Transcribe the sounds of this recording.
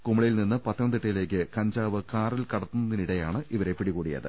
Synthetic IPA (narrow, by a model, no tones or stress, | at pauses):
kumːɐɭɐjilninːɨpɐt̪ːjɐnd̪iʈːɐjile̞ːk̬ʲːɨkɐɲd͡ʑaːʋɨkaːrilkɐɽɐt̪ːunːɐðiniɽejaːɳɨʔiʋɐɾe̞pːiɽikuːɽijɐ̰ðɨ̰